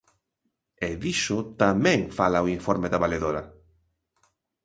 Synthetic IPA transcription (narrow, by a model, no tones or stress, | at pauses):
eðiʃʊt̪amɛ̃ŋfalawiɱfoɾmeðaβaleðoɾa